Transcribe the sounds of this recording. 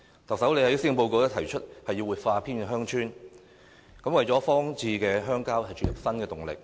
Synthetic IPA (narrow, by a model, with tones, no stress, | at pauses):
t̪ʰɐ˨w̚sɐ˨˥wle˨˧jhɐ˨˥siː˥ŋ˧po˧wko˧wt̪ɪ˥t̪ʰɐ˨˩jt͡ʃʰɵ˥t̚hɐ˨jːiː˧wuː˨˩t̚faː˧pʰiː˥nkɛ˧ɦœː˥ŋt͡ʃʰyː˥n | kɐ˨˥mwɐ˨jt͡sɔː˨˥fɔː˥ŋt͡siː˧kɛː˧ɦœː˥ŋkaː˥whɐ˨jt͡ʃɵ˨˩jɐ˨p̚sɐ˥nkɛː˧t̪ʊ˨˩ŋlɪ̰˨k̚